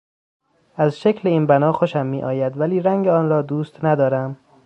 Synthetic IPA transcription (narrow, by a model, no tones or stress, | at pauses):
ʔæzʃecʰleiːnbænɒːxo̞ʃæmːiːʔɒ̰ːjæd̪væliːɾæŋɟeɒːnɾɒːd̪uːst̪næd̪ɒːɾæm